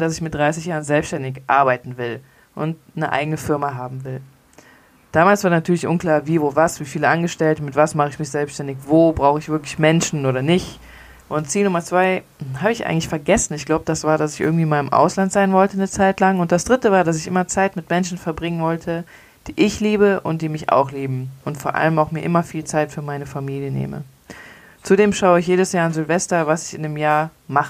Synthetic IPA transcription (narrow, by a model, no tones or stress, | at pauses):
dasɪçmɪt̚d̥ʁaɪsɪçjaːʁənzɛlpsʃtɛndɪçʔa̰ɐbaɪtn̩vɪl | ʔʊ̰nt | nəʔa̰ɪɡənəfɪɐmaɦaːbm̩vɪl | d̥aːmaːlsv̥aːɐnatʰyːɐlɪçʔʊnkl̥aːɐviːvoːvasv̥iːfiːləʔanɡəʃtɛltəmɪtv̥asmaχəɪçmɪçz̥ɛlpsʃtɛndɪçvoːbʁaʊxəɪçv̥ɪɐklɪçmɛnʃn̩ʔoːɾɐnɪç | ʔʊntt͡siːlnʊmɐt͡sv̥aɪ | ɦaːbəɪçʔa̰ɪɡŋ̩tlɪçfɛɐɡɛsn̩ɪçɡ̥laʊbəd̥asv̥aːɐɾdas̬ɪçʔɪ̰ɡŋ̩tv̥iːmaɪlɪmʔa̰ʊslantz̥aɪnvɔltənət͡saɪtlaŋʊntd̥asd̥ʁɪtəvaːɐdas̬ɪçʔɪ̰mɐt͡saɪtmɪtmɛnʃn̩fɛɐbʁɪŋənvɔltʰə | d̥iːʔɪçliːbəʔʊ̰nt̚d̥iːmɪça̰ʊxliːbm̩ʊntfoːɐʔa̰ləmaʊxmiːɐʔɪmɐfiːlt͡saɪtfyːɐmaɪnəfamiːljənḛːmə̰ | t͡sudeːmʃaʊəɪçjeːɾəsjaːɐɪnzʏlvɛstɐvasɪ̥çɪndəmjaːɐ | maχə